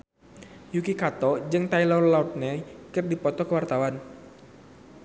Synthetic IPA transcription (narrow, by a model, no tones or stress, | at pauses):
jukikat̪ɔd͡ʒɨŋt̪ailɔrlaut̪̚nɛkɨrdipɔt̪ɔkəwart̪awan